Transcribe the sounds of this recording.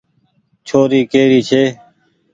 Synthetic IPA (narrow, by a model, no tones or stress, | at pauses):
t͡ʃʰoːɾiːkeːɾiːt͡ʃʰeː